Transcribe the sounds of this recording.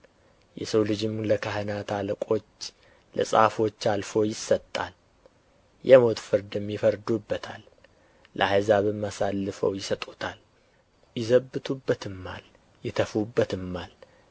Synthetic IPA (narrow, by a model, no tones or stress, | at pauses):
jɛ̰səwlɨd͡ʒɪmləkʰahənat̪ʰaləkʼo̞t͡ʃː | lə̰sʼa̰fo̞t͡ʃːalfo̞jɪsːət̪ʼːa̰l | jɛmo̞t̪fɨɾd̪ɨmjɪfəɾd̪ubːət̪ʰa̰lː | ʔə̰ajzaβɨmːasalːɨfə̰wjɪsət̪ʼut̪ʰal | jɪzəbːɨt̪ʰubːət̪ʰɨmːa̰l | jɪt̪ʰəfubːət̪ɨmːal